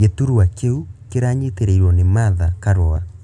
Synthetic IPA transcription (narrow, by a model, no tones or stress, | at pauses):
etuɾuwakeukeɾaɲeteɾeiɾwɔnemaðakaɾɔa